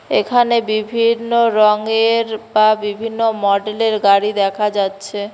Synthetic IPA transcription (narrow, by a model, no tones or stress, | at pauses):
ekʰanebibʱinːoɾɔŋeɾbabibʱinːomɔɖeleɾɡaɽid̪ɛkʰad͡ʑatːɕʰe